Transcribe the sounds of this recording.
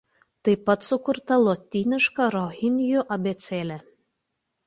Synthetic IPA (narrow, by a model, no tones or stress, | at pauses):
t̪ɐɪpːɐt̪sʊkʊɾt̪ɐlˠɔt̪ʲinʲɪʃkɑɾɔɣʲɪnʲjuʔɐbʲet̪sʲeːlʲæ